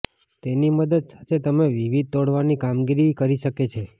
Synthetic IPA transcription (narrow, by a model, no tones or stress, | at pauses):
t̪eniməd̪əd̪sḁt̪ʰet̪əmeʋiʋid̪̚t̪oɽʋanikamɡiɾikəɾiʃəket͡ʃʰe